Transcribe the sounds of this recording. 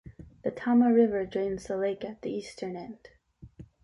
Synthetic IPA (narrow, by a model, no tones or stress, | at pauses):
ðɨtʰɑməɹɪvə˞d͡ʒɔ̃ɪ̃nzðəleɪkɨt̪̚ðiistʰə̃˞nɛ̃nd̥